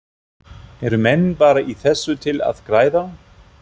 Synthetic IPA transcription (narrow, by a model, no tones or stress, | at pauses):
ɛɾʏmɛnːpaːɾaʔiθɛsːʏt̪ʰɪla̰ðkɾaːjða